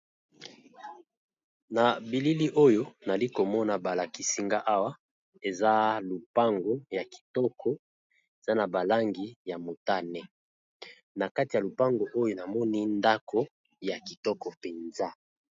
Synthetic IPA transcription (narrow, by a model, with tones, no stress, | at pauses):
na˨bi˨li˦li˦ʔo˦jo˦na˨li˦ko˨mɔ˦na˨ba˨la˨ki˨si˨ŋɡa˦ʔa˦wa˦ | e˨za˦lu˨pa˦ŋɡo˦ja˨ki̥˨tɔ˦kʰɔ˦ | e˨za˦na˨ba˨la˦ŋɡi˨ja˨mo˨ta˦nɛ˦ | na˨ka˦ti˨ja˨lu˨pa˦ŋɡo˨ʔo˦jo˦na˨mɔ˦ni˦nda˦kʰo˦ | ja˨ki˨tɔ˦kɔ˨pe˨nza˦